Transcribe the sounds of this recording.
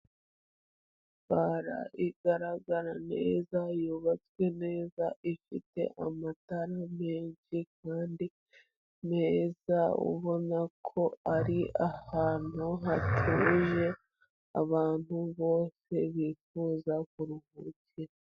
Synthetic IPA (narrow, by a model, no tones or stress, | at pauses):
β̥aɾa̰ʔiɡaɾaɡaɾane̞̰ːzajuβat͡swe̞ne̞ːzaʔifite̞̰ʔamataɾame̞ːɲʃik̚aːndi | ne̞ːzaṵβo̞nakʰo̞aɾiʔahaːn̥huɦatʰuːʒe̞ | a̰βaːn̥huβo̞ːse̞βifuːzakuɾuhuciɾ